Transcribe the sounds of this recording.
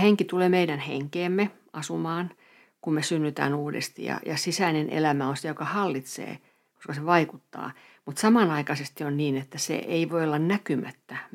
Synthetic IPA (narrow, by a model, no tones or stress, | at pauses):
heŋkit̪uleːmeiɾænhḛŋkeːmːe | ɑsumɑːn | kummesynːyt̪æ̰ːnuːdḛst̪ḭjɑ̰jɑsisæinenʔḛlæmæonsejokɑhɑlːit̪sḛː | ko̥skɑseʋɑikut̪ːɑ̰ː | mut̪sɑmɑnɑikɑsest̪ionniːnet̪ːæsḛʔeiʋoiolːɑnnækymæt̪ːæ